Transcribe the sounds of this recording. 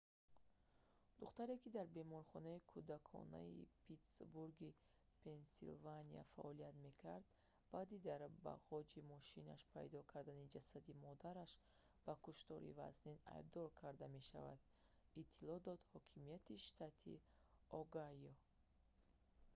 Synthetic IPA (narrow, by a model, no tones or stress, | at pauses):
d̪̥uχt̪aɾe̞kid̪aɾbe̞mɔɾχɔnaikʰud̪akʰɔ̰na̰ḭpʰit̪sbuɾɡi | pʰe̞nsḭlvania̰fa̰ʔɔliat̪me̞kʰaɾd̪ | b̥ad̪id̪aɾba̰ʁɔd͡ʒimɔʃina̰ʃpʰa̰jd̪ɔkʰaɾd̪anid͡ʒasad̪imɔd̪aɾaʃ | b̥akuʃt̪ɔɾḭva̰znina̰jb̚d̪ɔɾkʰaɾd̪ame̞ʃa̰va̰d̪̥ | it̪ʰːilɔd̪ɔd̪hɔkʰimijat̪iʃt̪ʰat̪ʰḭ | ɔɡajɔ